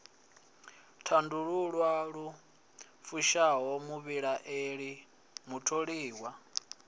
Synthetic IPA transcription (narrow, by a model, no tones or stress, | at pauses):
tʰanduɺuɺwaɺu | fuʃaɦɔmuβiɺaʔeɺi | mutʰoɺiːwa